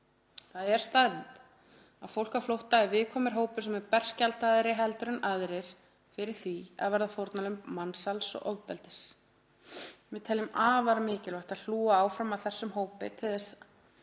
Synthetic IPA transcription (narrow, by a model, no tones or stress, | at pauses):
θaðɛɾ̥st̪aðvɪnt̪ | aðfowl̥kaflowht̪aɛɾvɪðkʰɔːmɪɾ̥ɦoːwpɪsɛmɛɾpɛr̥scalt̪aðɾɪɦɛlt̪ʏɾʏnʔaðɾɪɾ̥ | fɪɾɪɾ̥θia̰ðvɛɾðafowɾt̪nalʏmmːansalsɔ̰ɣɔvpɛlt̪ɪs | vɪðt̪ʰɛlːɪmaːvaɾmɪːcɪlvajht̪aðl̥uːaaːwfɾamaθɛsːʏmɦoːwpɪ̰t̪ʰɪðɛs